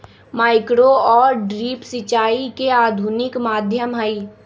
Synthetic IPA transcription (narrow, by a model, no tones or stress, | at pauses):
maːɪkɾoɔːɾɖɾiːpsɪt͡ʃaːikeaːd̪ʱunɪkmaːd̪ʱjəmɦəi